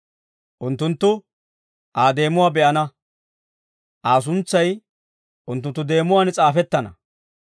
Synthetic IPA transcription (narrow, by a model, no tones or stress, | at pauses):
ʔʊnt̪ːʊnt̪ːʊ | ʔaːd̪e̞ːmʊwaːbɛʔɐnɐ | ʔaːs̬ʊnt͡sːɐj | ʔʊnt̪ːʊnt̪ːʊd̪e̞ːmʊwaːnt͡sʼaːfɛt̪ːɐnɐ̰